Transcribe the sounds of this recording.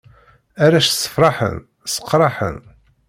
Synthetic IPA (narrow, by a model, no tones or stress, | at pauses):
æɾæʃsːə̥fɾˤɑħə̰n | sə̥qːɾˤɑħə̰n